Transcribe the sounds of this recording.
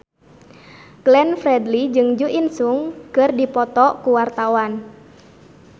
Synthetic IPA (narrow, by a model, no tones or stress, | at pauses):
ɡ̥lɛnfɾɛdlid͡ʒɨŋd͡ʒuʔinsuŋkɨrdipɔt̪ɔkuwart̪awan